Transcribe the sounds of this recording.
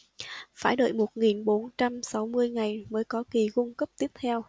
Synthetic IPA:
faː˧˩jɗə̰˧˨jmo˨˩t̚ŋi˨˩nɓo˨˦nt͡ɕa˧msa˨˦wmɨ˧əjŋa˨˩jməː˨˦jkɔ˨˦ki˨˩kʊ˧ŋ͡mkə˦˥p̚t̪i˦˥əp̚t̪ʰɛ˧w

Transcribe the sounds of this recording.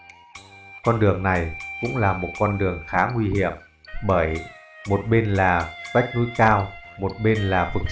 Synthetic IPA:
kɔ˧nɗɨ˨˩əŋna˨˩jkʊ̰˧˥ŋ͡mlaː˨˩mo˨˩t̚kɔ˧nɗɨ˨˩əŋxaː˨˦ŋwi˧hi˧˩˨əm | ɓəː˧˩j | mo˨˩t̚ɓe˧nlaː˨˩za˦˥jk̟̚nṵ˨˧˥jkaː˧wmo˨˩t̚ɓe˧nlaː˨˩fɨ˨˩k̚

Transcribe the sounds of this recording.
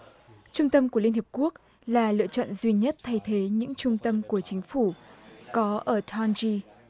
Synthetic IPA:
t͡ɕʊ˧ŋ͡mt̪ə˧mku˧˩əli˧nhi˨˩p̚ku˦˥ək̚ | laː˨˩lɨ̰˧˨ət͡ɕɔ̰˧˨nzwi˧ɲə˦˥t̚t̪ʰa˧jt̪ʰe˨˦ɲɨ̰˧˥ŋt͡ɕʊ˧ŋ͡mt̪ə˧mku˧˩ət͡ɕï˨˦ŋ̟fu˧˩kɔ˨˦ʔəː˧˩t̪ʰa˧nzi˧

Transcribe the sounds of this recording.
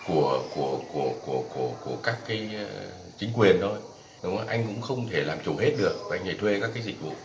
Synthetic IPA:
ku˧˩əku˧˩əku˧˩əku˧˩əku˧˩əku˧˩əkaː˦˥kːaː˨˦j | t͡ɕï˨˦ŋ̟kwi˨˩ənt̪ʰo˧j | ɗʊ˨˦ŋ͡ma˨˦ʔa˧jŋ̟kʊ̰˧˥ŋ͡mxə˧wŋ͡mt̪ʰe˧˩laː˨˩mt͡ɕu˨˧˩he˦˥t̚ɗɨ˨˩ək̚va˨˩ʔa˧jŋnə˨˧˩t̪ʰwe˧kaː˦˥kːaː˨˦zï˨˩k̟̚vṵ˧˨

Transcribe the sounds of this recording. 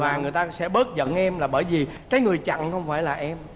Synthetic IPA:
vaː˨˩ŋɨ˨˩əjt̪aː˧sɛ̰˧˥ɓəː˦˥t̚zə̰˧˨nʔɛ˧mlaː˨˩ɓəː˧˩jvi˨˩ | kaː˨˦jŋɨ˨˩əjt͡ɕa̰˧˨ŋxə˧wŋ͡mfaː˧˩jlaː˨˩ʔɛ˧m

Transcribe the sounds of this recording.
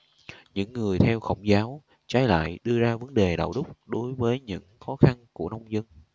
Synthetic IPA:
ɲɨ̰˧˥ŋːɨ˨˩əjt̪ʰɛ˧wxə̰˧˩wŋ͡mzaː˨˦w | t͡ɕaː˨˦jla̰ː˧˨jɗɨ˧əzaː˧və˨˦nɗe˨˩ɗa̰ː˧˨wɗʊ˦˥k͡p̚ɗo˨˦jvəː˨˦jɲɨ̰˧˥ŋxɔ˨˦xa˧nku˧˩əna˧wŋ͡mzə˧n

